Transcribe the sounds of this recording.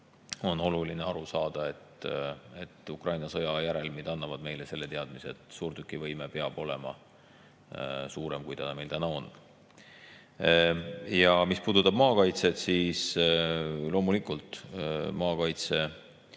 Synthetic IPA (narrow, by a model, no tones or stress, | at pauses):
o̞no̞lulineɑɾusɑːd̪̥ɑe̞t̪e̞t̪ːˑukrʔɑjnɑsɤ̞jɑjæɾe̞lmid̪̥ɑnːɑvɑd̪̥me̞jlese̞lːe̞t̪e̞ɑd̪̥miseːt̪ˑsuːɾt̪ykːˑivɤjmepeɑb̥o̞le̞mɑ̰ | suːɾe̞mkujt̪ɑd̪me̞jlt̪ænɑo̞nː | jɑmispuːd̪ut̪ːˑɑb̥̚mɑːkɑjt̪se̞t̪siːs | lo̞ːmulikult̪mɑːkɑjt̪se̞